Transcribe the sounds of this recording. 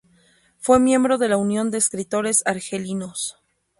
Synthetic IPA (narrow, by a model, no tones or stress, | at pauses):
fwe̞mje̞mbɾo̞ðe̞launjo̞nd̪e̞ːskɾit̪o̞ɾe̞saɾxelino̞s